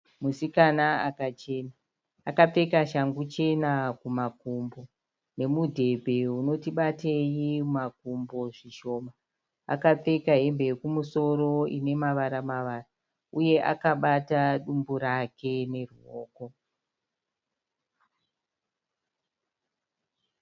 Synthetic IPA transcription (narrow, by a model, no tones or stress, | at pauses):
musikanaakat͡ʃe̞naː | kap͡fe̞kaʃaŋɡut͡ʃe̞nakumakumbo̞ | ne̞mudʱe̞bʱe̞ɦuno̞tiɓatejimak̚umbo̞ʐiʃo̞ːma | a̰kap͡fe̞kaɦe̞mbekumuso̞ɾo̞ine̞maʋaɾamaʋaːra | uje̞ʔa̰kaɓataɗumbuɾakʰe̞ne̞ruo̰ːko̞